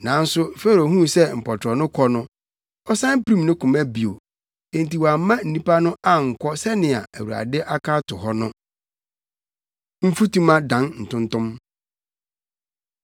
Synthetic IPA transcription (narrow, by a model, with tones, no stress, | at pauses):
nã˨˦n̩˦sʊ˦fɛ˦ɾo˨ɦũ˦sɛ˦m̩˨pʰɔ˨tʰɾɔ˨nʊ̃˦kʰɔ˦nʊ̃˦ | ɔ˦sã˦n˦pɾĩ˦mnʊ̃˦kʰʊ̃˨mæ˦bi˨o˨ | ẽ˨n̩˨ti˨wa˨˦mã˦n̩˨nĩ˦pa˦nʊ̃˦a˦ŋ̩˨kʷʰɔ˦sɛ˦nɪ̃˨a̰˨æ˨wu˨ɾa̰˨dɪ˦ʔa˦kʰa˦tʰʊ˨ɦɔ˦nʊ̃˦ | m̩˦fu˦tũ˦mã˦dã˨˦nn̩˨tʰʊ̃˦n˦tʊ̃˦m